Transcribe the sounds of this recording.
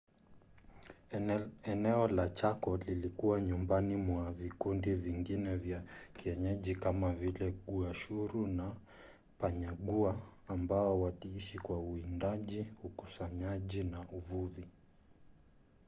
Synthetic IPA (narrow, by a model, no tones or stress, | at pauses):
ɛnɛɔlat͡ʃakɔlilikuwaɲumbanimwavikundiviŋɡinɛvjakiɛɲɛʄikamavilɛɠuaʃuɾuna | paɲaɠuaːmbaɔwatiiʃikwauindaʄiukusaɲaʄinaʔuvuvi